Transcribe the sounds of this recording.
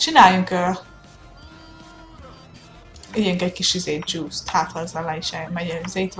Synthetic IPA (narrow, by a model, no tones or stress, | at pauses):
t͡ʃinaːjuŋkøː | ijɛŋkɛɟkiʃizeːt̪̚d͡ʒuːst̪haːt̪lɒzalaiʃɛmɛɟɛzeːt̪ʋ